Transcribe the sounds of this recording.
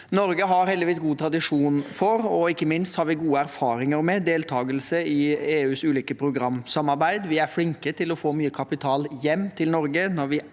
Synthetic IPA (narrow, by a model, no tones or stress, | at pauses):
nɔɾɡəɦɑɾhɛld̪ɪʋiːsɡuːt̪ʰɾɑd̪ɪʂuːnfɔɾɔɪkːəmɪnst̪hɑɾʋɪɡuːəæɾfɑːɾɪŋəɾmɛd̪eːlt̪ʰɑːɡəlsəɪeːʉːsʉːliːkəpʰɾʊɡɾɑmsɑmɑɾbæɪd̪ʋɪæɾflɪŋkət̪ʰɪlɔfoːmyːəkʰɑpɪt̪ʰɑːljɛmːt̪ʰɪlnɔɾɡənɔɾʋɪ